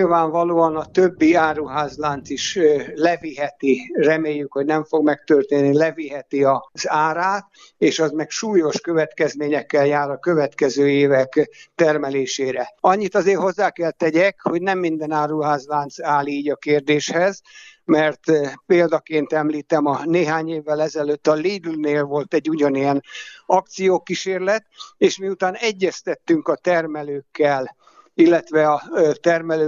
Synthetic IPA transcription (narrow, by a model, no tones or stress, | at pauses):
ilvaːɱvɒloːɒnɒt̪øbːiaːruɦaːzlaːnt̪siʃlɛviɦɛt̪irɛmeːjːykho̞ɟnɛɱfo̞ɡmɛk̚t̪ørt̪eːnːilɛviɦɛt̪iɒz̥aːɾaːt̪ | eːʃɒzmɛkʃuːjo̞ʃkø̞vɛt̪kɛzmeːɲɛkːɛljaːɾɒkø̞vɛt̪kɛzøːeːvɛkt̪ɛrmɛleːʃeːɾɛɒɲːit̪ɒzeːrɦo̞zːaːkɛlt̪ɛɟɛkho̞ɟnɛmːind̪ɛnaːɾuɦaːzʋaːnsaːliːɟɒkeːrd̪eːʃhɛzmɛrt̪peːld̪ɒkeːnt̪ɛmliːt̪ɛmɒneːɦaːɲeːvːɛlɛzɛløːt̪ːɒliːd̪lneːlvo̞lt̪ɛɟːuɟɒnijɛnɒk̚t̪sijoːkiʃeːrlɛt̪eːʃmiut̪aːnɛɟːɛst̪ɛt̪ːyŋkɒt̪ɛrmɛløːkːɛl | ilːɛt̪ʋɛɒt̪ɛrmɛløː